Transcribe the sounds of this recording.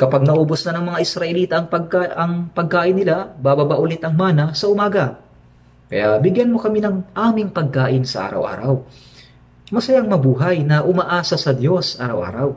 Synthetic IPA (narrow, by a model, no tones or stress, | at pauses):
kɐpaɡ̚nɐʔoːbʊsnɐnɐŋmɐŋaʔɪsɾɐʔɛliːt̪ɐʔːŋpɐɡaʔɐŋpɐɡ̚kaːʔɪnːɪlabaːbabaʔʊlɛt̪ɐŋmaːnɐsɐʔʊmaːɡɐ | kɐ̰jabɪɡjɐnmo̞kɐminɐŋʔaːmɪŋpɐɡ̚kaːʔɪnsɐʔa̰ːɾɐ̰wʔa̰ːɾɐw | mɐsɐjaŋmɐbuːɦɐjnɐʔʊmaʔaːsɐsɐd̪jo̞sʔaːɾɐ̰wʔa̰ːɾɐw